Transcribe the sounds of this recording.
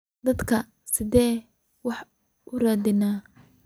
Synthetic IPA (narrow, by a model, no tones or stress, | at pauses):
d̪ɐd̪kʰɐ | sɪðɛː | wɑħ | ʔʊraːd̪ɪnaː